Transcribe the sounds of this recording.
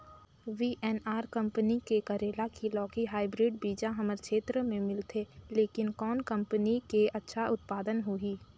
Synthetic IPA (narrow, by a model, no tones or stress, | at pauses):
ʋiʔɛːnaːɾkɐ̃mpənikekəɾeːlakilɔːkiɦaːɪbɾɪɖbiːd͡ʒãɦɐməɾkʃeːt̪ɾəmẽmɪlt̪ʰeːleːkɪnkɔːnkɐ̃mpənikeɐtːʃʰaʊt̪̚paːd̪ənɦuiː